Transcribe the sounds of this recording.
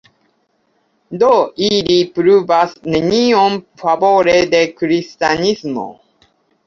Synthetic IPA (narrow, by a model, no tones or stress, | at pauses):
d̪oiɾipɾuvasneniɔ̃npaboɾed̪ekɾist̪anismo̰